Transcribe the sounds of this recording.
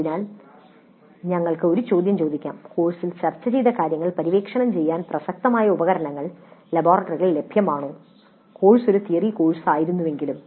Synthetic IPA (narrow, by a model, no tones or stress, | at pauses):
ɐinaːl | ɲɐŋːɐɭkɨo̞ɾut͡ɕo̞ːd̪ʱjɐmt͡ɕo̞ːd̪ikʲːa̰ːmko̞ːɻsilt͡ɕɐrt͡ɕːɐt͡ɕejd̪ɐkaːɾjɐŋːɐɭpɐɾiʋe̞ːkʂɐɳɐmt͡ɕe̞jːaːnprɐsɐk̚t̪ɐmaːjɐubɐɣɐɾɐɳɐŋːɐɭlɐboːrɐʈːɐriɣɐɭle̞bʱjɐmaːɳu | ko̞ːɻso̞ɾut̪ijɐriko̞ːɻsaːjiɾunːuʋe̞ŋɡilum